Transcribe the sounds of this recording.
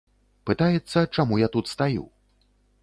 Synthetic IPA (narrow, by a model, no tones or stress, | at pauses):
pɨt̪ajɛt̪sːɐt͡ʂamujat̪ut̪st̪ajṵ